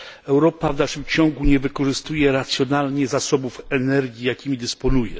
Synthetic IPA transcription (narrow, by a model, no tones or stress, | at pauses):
ɛwɾɔpavnaʂɘmt͡ɕɔŋɡuɲɛvɘkɔʐɘst̪ujɛɾat̪sʲjɔnalɲɛzasɔbufɛnɛɾɡʲjijakʲimʲid̪ɘspɔnujɛ̰